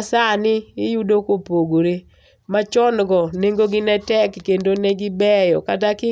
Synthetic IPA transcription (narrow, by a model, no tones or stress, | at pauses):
sanɪɪjudokopoɡoɾe | mat͡ʃɔnɡɔneŋɡoɡɪnɛtɛkːendonɛɡɪbɛjɔkatakɪ